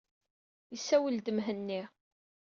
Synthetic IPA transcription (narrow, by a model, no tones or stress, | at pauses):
jəsæwəld̪əmɦənːi